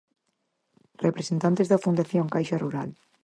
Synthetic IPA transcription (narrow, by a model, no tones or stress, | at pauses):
repɾesent̪ant̪ezðɐfund̪aθjoŋkajʃaruɾa̰l